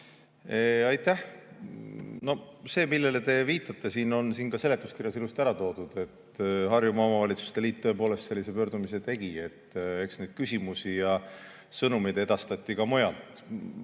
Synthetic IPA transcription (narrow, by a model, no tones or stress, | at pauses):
eɑjt̪ːˑæh | no̞se̞ːmilːe̞let̪e̞viːt̪ːˑɑt̪ːe̞siːno̞nsiːnkɑse̞le̞t̪ːˑu̥skirjɑsilust̪æɾɑt̪o̞ːd̪̥ud̪̥e̞t̪ɦɑrjumɑomɑvɑlit̪su̥st̪e̞liːt̪̚t̪ːø̞epo̞ːle̞st̪se̞lːise̞pø̞ːrd̪̥umis̬e̞t̪e̞ɡ̥ie̞t̪ːe̞ksne̞jd̪̥̚kysʲimusijɑ | sɤnumijd̪̥e̞d̪̥ɑst̪ɑt̪ʲːˑikɑmojɑlt̪ˑ